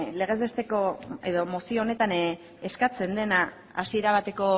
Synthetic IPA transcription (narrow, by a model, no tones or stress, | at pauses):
le̞ɣ̞e̞zest̪e̞ko̞e̞ðo̞mo̞sione̞t̪an | eskat͡se̞nd̪e̞na | asieɾaβ̞at̪e̞ko̞